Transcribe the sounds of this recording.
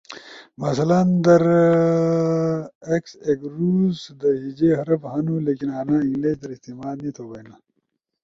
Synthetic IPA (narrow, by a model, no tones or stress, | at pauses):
mɐsɐlɐnd̪ɐɾ | ekseɡɾuːzd̪əɦid͡ʑeɦɐɾɐfhɐnuleːkinaːnaiŋɡlet͡ʃd̪ɐɾist̪imaːd̪nit̪ʰoːbɐjna